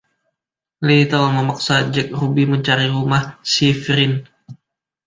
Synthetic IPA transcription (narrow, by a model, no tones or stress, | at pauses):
lit̪əlaməmak̚sad͡ʒɛk̚rubiməɲt͡ʃaɾiɾumahsifɾɪn